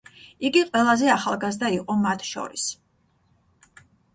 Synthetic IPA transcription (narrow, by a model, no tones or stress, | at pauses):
iɡiqʼwɛlˠazɛaχalˠɡazd̪aiqʼɔmat̪ʰʃɔ̰ɾis